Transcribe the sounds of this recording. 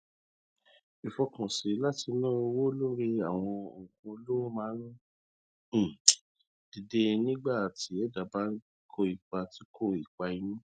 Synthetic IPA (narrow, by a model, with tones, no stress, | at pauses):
i˨fɔ˧kɔ̃˨si˨˦la˦ti˧nã˦o˧wo˦lo˦ɾi˧a˨w̃ɔ̃˧o˨kũ˧o˧lo˦o˦mãː˨˦ɾũ˦˨ | d̥i˧de˧nĩ˦ɡ͡ba˦˨ti˨˦ɛ˦da˨ba˦kʰo˦˨i˨k͡pa˧ti˦kʰo˦˨i˨k͡pa˧ĩ˦nũ˦